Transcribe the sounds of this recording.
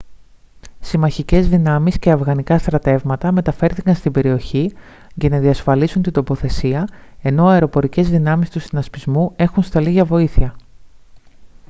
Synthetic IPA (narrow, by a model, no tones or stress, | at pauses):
simɐçice̞zðinɐmisce̞ɐfɣɐnikɐst̪ɾɐt̪e̞vmɐt̪ɐme̞t̪ɐfe̞ɾθikɐnst̪ibe̞ɾio̞çi | cenɐðiɐsfɐlisunt̪ind̪o̞po̞θe̞siɐe̞no̞ɐeɾo̞po̞ɾice̞zðinɐmist̪usinɐspizmue̞xunst̪ɐliɣʝɐvo̞iθiɐ